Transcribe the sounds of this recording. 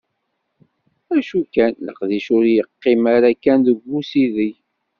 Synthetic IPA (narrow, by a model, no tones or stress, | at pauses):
æʃukænlə̰qðiʃʊɾjəqːɪmaɾakænðəɡʷːusiði